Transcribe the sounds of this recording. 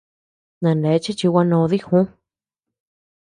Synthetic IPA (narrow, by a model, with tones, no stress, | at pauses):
nã˨nde˨˦t͡ʃi˦t͡ʃi˧wa˧nõ˧ði˦xũ˦